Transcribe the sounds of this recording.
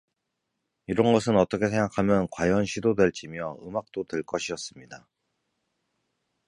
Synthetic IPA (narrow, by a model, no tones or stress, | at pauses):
iɾʌnɡʌsʰɯnʌt͈ʌkʰe̞sʰe̞ŋɡakʰamjʌnkwajʌnɕʰidodwe̞ɭt͡ɕ͈imjʌɯmak̚t͈otwe̞ɭk͈ʌɕʰiʌs͈ɯmɲida